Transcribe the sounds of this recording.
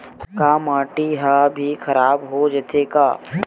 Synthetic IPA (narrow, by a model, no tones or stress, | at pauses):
kaːmãːʈiɦabʱixʰɐɾaːbɦod͡ʒət̪ekaː